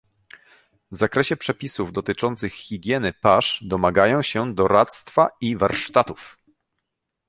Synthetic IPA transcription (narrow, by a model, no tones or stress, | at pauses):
vzakɾɛɕɛpʂɛpʲisuvd̪ɔt̪ɘt͡ʂɔnt̪sɘxxʲiɡʲjɛnɘpaʂd̪ɔmaɡajɔ̃w̃ɕɛd̪ɔɾat̪st̪faivaɾʂt̪at̪uf